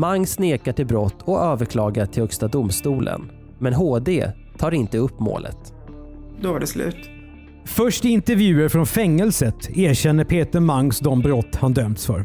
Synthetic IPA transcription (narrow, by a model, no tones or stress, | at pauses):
maŋːsneːkaʈɪlbɾɔt̪ːɔøːvəɾkʰlɑːɡaʈʰɪlhœkst̪ad̪ʊmst̪uːlʔə̰n | mɛnɦoːd̪ḛː | t̪ʰɑːɾɪnt̪əɵpːmo̰ːlə̰t̪ | d̪ɔvaɖɛslʉ̰ːt̪ | fœʂʈɪnt̪ɛɾvjʉ̟ːəɾfɾɔnfɛŋːɛlsət̪eːɾɕɛnːəpʰeːt̪əɾmaŋsd̪ɔmbɾɔt̪ːhand̪œmt̪sfœ̰ɾ